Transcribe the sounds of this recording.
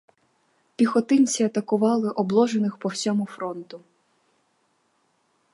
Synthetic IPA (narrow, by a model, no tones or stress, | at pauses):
pʲixɔt̪ɪnʲt͡sʲiɐt̪ɐkʊʋɑlˠɪʔɔblˠɔʒenɪxpɔwsʲɔmʊfɾɔnt̪ʊ